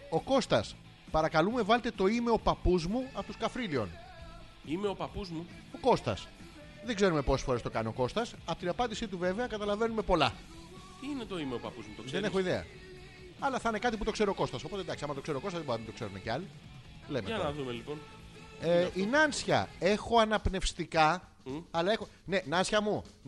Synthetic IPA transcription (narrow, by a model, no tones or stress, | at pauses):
o̞ko̞st̪ɐs | pɐɾɐkɐlume̞vɐlet̪e̞t̪o̞ime̞o̞pɐpuzmuɐot̪oskɐfɾilio̞̰n | imeopɐpuzmu | oko̞st̪ɐ̰s | ðeɡze̞ɾumepo̞se̥sfo̞ɾest̪okɐnio̞ko̞st̪ɐsɐpot̪inɐpɐnd̪isit̪uve̞veɐkɐt̪ɐlɐve̞nume̞po̞lɐ | t̪inet̪oimeopɐpuzmut̪osðene̞xoiðeɐ̰ | ɐlɐθɐne̞kɐt̪iput̪okse̞ɾooko̞st̪ɐso̞po̞t̪ed̪ɐksiɐmɐt̪o̞kseɾokost̪ɐzðboɾɐmd̪o̞kse̞ɾṵmḛceɐli | lemeɐnɐðumelipon | einɐnsçɐ̰e̞xo̞ɐnɐpne̞fst̪ikɐ | ɐlɐe̞xo | ne̞nɐnsçɐmu